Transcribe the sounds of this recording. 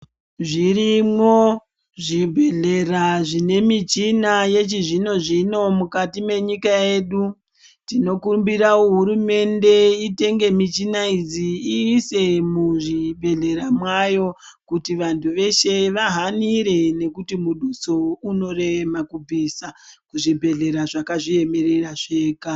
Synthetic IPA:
ʐirimwo̞ | ʐibʱe̞ɮe̞raʐine̞mit͡ʃinaje̞t͡ʃiʐino̞ʐino̞mukatime̞ɲikae̞ːɗu | tino̞kumbiɾaoɦuɾume̞nde̞ite̞ŋɡe̞mit͡ʃinaid͡ziːse̞muʐibʱe̞ɮe̞ɾamwajo̞ | kutiʋantʰuʋe̞ʃe̞ʋaɦaniɾe̞nekutimuɗut͡souno̞re̞makub͡visakuʐibʱe̞ɮe̞ɾaʐakaʐie̞me̞ɾe̞raʐe̞ːka

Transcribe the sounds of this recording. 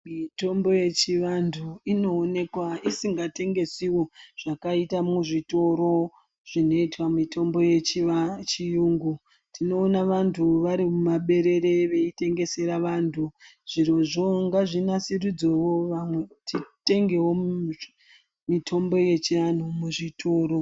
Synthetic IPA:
mito̞mbo̞je̞t͡ʃiʋantʰuino̞ːne̞kwaisiŋɡate̞ŋɡe̞siwo̞ʐ̥akaitamuʐito̞ɾo̞ | ʐ̥ino̞itwamitʰo̞mbo̞je̞t͡ʃit͡ʃijuːŋɡu | tʰino̞ːnaʋantʰuʋaɾimumaɓe̞ɾe̞ɾe̞ʋe̞ite̞ŋɡe̞se̞ɾaʋantʰuʐ̥iɾo̞ʐo̞ŋɡaʐinasirid͡zowoʋamwe̞tite̞ŋɡe̞wo̞ | mitʰo̞mbo̞je̞t͡ʃian̤umuʐitʰo̞ːɾo̞

